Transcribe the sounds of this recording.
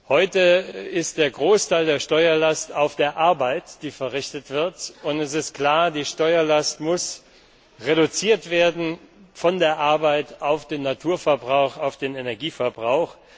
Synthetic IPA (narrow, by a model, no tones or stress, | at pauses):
hɔʏtəɪst̚d̥eːɐɡʁoːstʰaɪldeːɐʃtɔʏɐlastaʊfd̥eːɐʔaɐbaɪtd̥iːfɛɐʁɪçtətv̥ɪɐtʊntɛs̬ɪst̚kl̥aːɐdiːʃtɔʏɐlastmʊs | ʁeɾut͡siːɐtv̥eːɐdn̩fɔndeːɐʔaɐbaɪtaʊfd̥eːnːatʰuːɐfɛɐbʁaʊxaʊfd̥eːnenɛɐɡiːfɛɐbʁaʊx